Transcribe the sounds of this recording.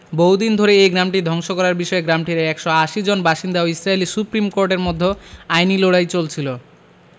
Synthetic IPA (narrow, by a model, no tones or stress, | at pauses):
boɦud̪ind̪ʱoɾeejɡɾamʈid̪ʱɔŋʃokɔɾaɾbiʃɔeɡɾamʈiɾeɛkʃɔaʃid͡ʑonbaʃind̪aoisɾailisupɾimkoɾʈeɾmod̪ʱːoajniloɽajt͡ɕolt͡ɕʰilo